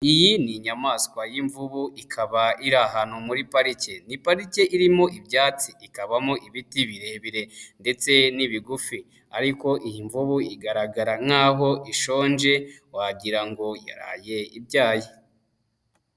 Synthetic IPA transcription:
ijiniɲamaːskwajiɱvuβuʔikʰaβaiɾaɦanomuɾipaɾice̞nipaɾice̞ʔiɾimo̞ʔibjaːt͡siikaβamoʔiβitiβiɾe̞βiɾe̞nde̞t͡se̞niβiɡufi | aɾiko̞ʔijiɱvuβuiɡaɾaɡaɾaŋhaːɦo̞ʔiʃo̞ːnd͡ʒe̞waɟiɾaŋɡo̞ja̰ɾa̰ːje̞ḭbɟaːji

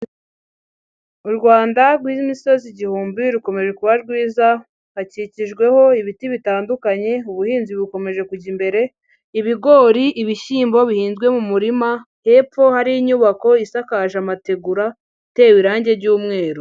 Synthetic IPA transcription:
uɾɡwaːndaɾɡwiːzmiso̞ziɟihuːmbiɾuko̞me̞ʒe̞kuβaɾɡwiːza | haciciʒɡwe̞ho̞iβitiβitaːndukaɲe̞uβuhiːnziβuko̞me̞ʒe̞kuɟimbe̞ɾe̞ | iβiɡo̞ɾiʔiβiʃiːmbo̞βihiːnzɡwe̞mumuɾima | he̞ːfo̞haɾiiɲuβako̞isakaʒamate̞ɡuɾa | te̞ːwiɾaːɲɟe̞ɟuːmŋe̞ːɾu

